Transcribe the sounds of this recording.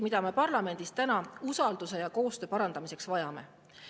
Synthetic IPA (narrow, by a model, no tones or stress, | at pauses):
mid̪̥ɑme̞pɑrlɑme̞nd̪̥ist̪ænɑusɑld̪̥use̞jɑko̞ːst̪øːpɑɾɑnd̪ɑmise̞ksvɑjɑme̞̰